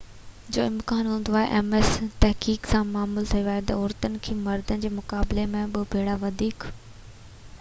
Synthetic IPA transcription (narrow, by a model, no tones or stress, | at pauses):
d͡ʑo̰ːɪmkaːnɦũːn̆d̪oaːɦḛʔɛːmest̪ɐɦkiːksãmaːmult̪ʰɐiaːɦet̪ɐoːɾt̪ənɪ̆kʰeːmɐɾd̪ənɪ̆d͡ʑeːmʊkaːblemẽɓɪbʱeːɽaʋɐd̪ʱiːk